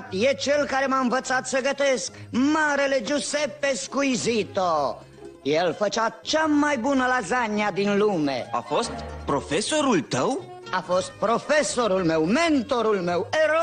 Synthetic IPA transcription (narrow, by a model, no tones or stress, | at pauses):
t̪jet͡ʃelkaɾe̞maɨnvət̪sat̪səɡət̪eskmaɾele̞d͡ʒusepːeskujzit̪o | jelfət͡ʃat͡ʃamajbunəlazanjad̪inlumḛa̰fo̞st̪pɾo̞feso̞ɾult̪əw | afo̞st̪̚pɾo̞feso̞ɾulme̞wment̪o̞ɾulmeweɾo